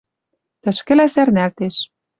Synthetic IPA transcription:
t̪ə̆ʃkɘ̆læsærnælt̪eʃ

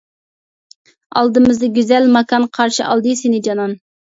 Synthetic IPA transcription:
ɑ̰lˠd̪ɨmɨzd̪ɑɡʲyzɛlmɑkʰɑnqʰɑɾʃɨʔɑlˠd̪ɨsɪnɪd͡ʒɑnɑn

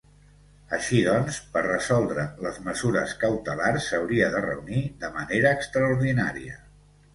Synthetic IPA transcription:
əʃiðɔnspərrəzɔlˠd̪ɾələzməzuɾəskəwt̪əlarsːəwɾiəðərə̰uniðəməneɾəːkst̪ɾəuɾðina̰ɾiə̰

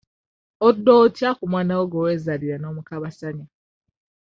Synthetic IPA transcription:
odːotjakumwaːnawoɡoweːzaliɾano̞ːmukaβasaɲa

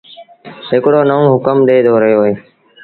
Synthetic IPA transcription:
ɦɪkɽoːnəʋõːɦʊkəmɗeːd̪ʱoːɾəjoːɦeː

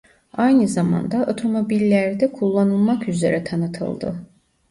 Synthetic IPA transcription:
ajnɯzama̰nd̪aʔo̞t̪ʰo̞mo̞bilʲːæɾd̪ɛkʰulˠːanɯlˠmakyze̞̰ɾʔɛt̪ʰanɯt̪ʰɯ̰lˠd̪ɯ̰

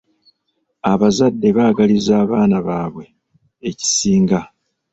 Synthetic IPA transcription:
aβazadːe̞βaːɡalizaːβaːnaβaːβwe̞ː | ci̥siːŋɡa

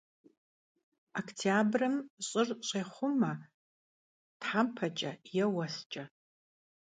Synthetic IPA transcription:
okʰtʰjabrɨmɕʼɨrt͡ʃʷʼajχʷʊma | tħampʰat͡ʃʼajawast͡ʃʼa

